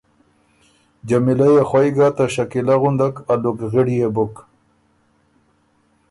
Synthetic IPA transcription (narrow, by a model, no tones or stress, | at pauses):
d͡ʒamilajaxwajɡat̪aʃakilaɣʊnd̪akalukɣɪɽijebʊk